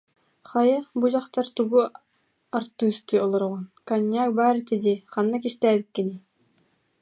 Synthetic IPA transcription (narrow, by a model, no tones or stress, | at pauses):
χɑjɑbud͡ʒɑqt̪ɑɾt̪uɡu | ɑɾt̪ːɯst̪ɨolˠŏɾʁonkanʲːak̚bɑːɾɯt̪ʰed̪iχɑnːakiʃt̪æːbikʲːeni